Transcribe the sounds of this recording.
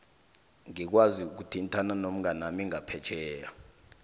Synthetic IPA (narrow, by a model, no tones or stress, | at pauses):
ŋik̬waziuk̬utʰintʰʼananom̩ɡanamiŋapʰɛ̥t͡ʃʰʼɛːja